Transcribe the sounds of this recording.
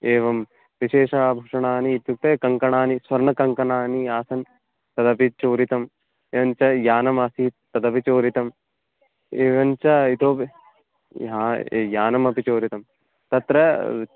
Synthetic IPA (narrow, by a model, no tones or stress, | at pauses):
eːʋɐm | ʋiʃeːʂabʱɐʂɐɳaːniːt̪juk̚t̪ɐjɐkɐŋkɐɳaːnisʋɐɾɳɐkɐŋkɐɳaːniaːsɐn | t̪ɐd̪ɐpit͡ʃoːɾit̪ɐm | eːʋɐnt͡ʃɐjaːnɐmɐsit̪ɐd̪ɐpit͡ʃoːɾit̪ɐm | eːʋɐnt͡ʃɐit̪oː | ɦa̰ːjaːnɐmɐpit͡ʃoːɾit̪ɐm | t̪ɐt̪ɾɐ